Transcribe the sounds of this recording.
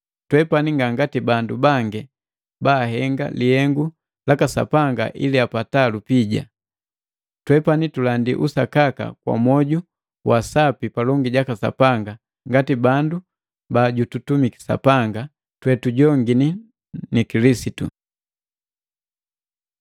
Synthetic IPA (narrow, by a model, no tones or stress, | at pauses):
twɛpaniŋɡaŋɡatibandubaŋɡɛ | baːɦɛŋɡa̰lihɛŋɡu | lakasa̰paŋɡa̰ʔḭliapatalupiɟa̰ | twɛpanitulandiʔusakaka̰kwa̰mɔɟu | wʔasapipalɔŋɡiɟakasa̰paŋɡa | ŋɡatibandu | baːɟututumiki̥sa̰paŋɡa | twɛtuɟɔŋɡini | nikilisitṵ